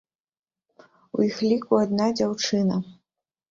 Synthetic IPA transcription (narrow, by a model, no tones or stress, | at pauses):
ṵjixlʲikuad̪nad͡zʲawt͡ʂɨnɐ